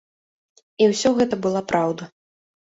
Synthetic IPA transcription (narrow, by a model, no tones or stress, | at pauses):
iwsʲɔɣɛt̪ɐbɨlˠapɾawd̪ɐ